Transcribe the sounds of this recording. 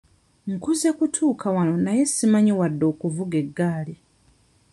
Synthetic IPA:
ŋ̩kuzekutʰuːkʰawano̞naje̞simaɲiwadːo̞ːkuvuɡe̞ɡːaːli

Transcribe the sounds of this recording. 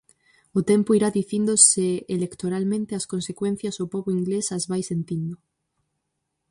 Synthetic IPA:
ʊt̪empoiɾaðiθind̪oseelekt̪oɾalmẽnt̪eɐskonsekwen̟θjazʊpɔβoiŋɡlesazβajsent̪ind̪ʊ

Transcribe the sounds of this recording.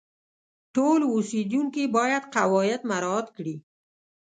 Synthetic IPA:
ʈolusid̪uŋkibɑjad̪qawɔjɪd̪maɾt̪kɽi

